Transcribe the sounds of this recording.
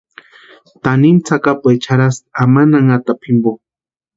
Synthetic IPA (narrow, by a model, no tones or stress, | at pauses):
t̪anint͡sʰakapajt͡ʃʰaɾasamanaŋat̪apʰimbo